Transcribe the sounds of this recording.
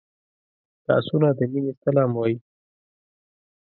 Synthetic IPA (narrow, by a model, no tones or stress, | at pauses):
t̪a̰sunad̪əminest̪alɑmwɑji